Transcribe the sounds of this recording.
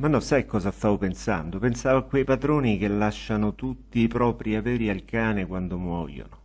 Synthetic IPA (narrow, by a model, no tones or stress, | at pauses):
manːɔsajkːɔːzast̪aːvopensa̰nd̪opensaːvoakːwejpad̪ɾoːnik̟elːaʃːanot̪ut̪ːipɾɔːpɾiavɛːɾialkaːnekwand̪omwɔ̰ːjo̰no